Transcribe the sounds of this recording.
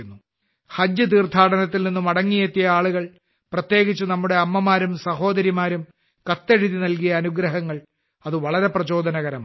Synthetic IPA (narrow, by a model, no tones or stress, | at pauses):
unːu | hɐd͡ʑjɨt̪̬iːrt̪ʰaːɽɐnɐt̪ːilninːumɐɽɐŋːijet̪ːijɐaːɭuɣɐɭ | prɐt̪je̞ːɡit͡ɕːunɐmːuɽe̞ɐmːɐmaːɾumsɐɦo̞ːd̪ɐɾimaːɾum | kɐt̪ːeɻiðinɐlkijɐːnuɡɾɐɦɐŋːɐɭ | ɐðɨʋɐɭɐɾe̞prɐt͡ɕo̞ːd̪ʱɐnɐɣɐɾɐm